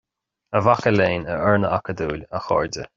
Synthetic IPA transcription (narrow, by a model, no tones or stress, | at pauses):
əvaxəleːnəɛɹnəakəd̪uːlʲəxɔ̰ɹdə